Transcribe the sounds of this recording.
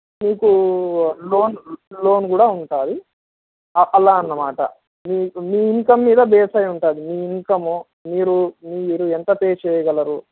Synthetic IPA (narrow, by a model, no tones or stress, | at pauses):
miːku | lo̞ːnlo̞ːnkuːɽaːuɳʈaːd̪i | ɐʔɐlːaːɐnːɐmaːʈɐ̰ | miːmiːiŋkɐmːiːd̪ɐbɛːsɐjuɳʈaːd̪imiːiŋkɐmu | miːɾumiːɾuent̪ɐpeːt͡ʃɛːjɐɡɐlɐɾu